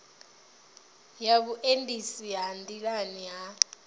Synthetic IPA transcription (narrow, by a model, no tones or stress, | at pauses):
jaɓuʔendʼisiɦandʱʼilaniɦa